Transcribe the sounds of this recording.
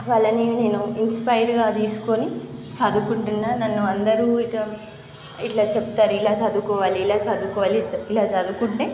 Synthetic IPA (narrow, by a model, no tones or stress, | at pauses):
ʋaːɭːɐnineːnuinspɐjɐɾɡaːt̪iːsu̥konit͡ʃɐd̪ukuɳʈunːaːnɐnːuɐnd̪ɐɾuːiʈa | iʈlaːt͡ʃeput̪aːɾuilaːt͡ʃɐd̪ukɔːʋaːliːlaːt͡ʃɐd̪ukɔːʋaːliilaːt͡ʃɐd̪ukuɳʈːeː